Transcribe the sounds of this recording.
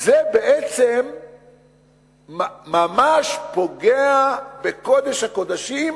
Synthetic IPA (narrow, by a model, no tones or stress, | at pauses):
zebeʔet͡sem | mamaʃpo̞ɡeabekod̪eʃhako̞d̪aʃim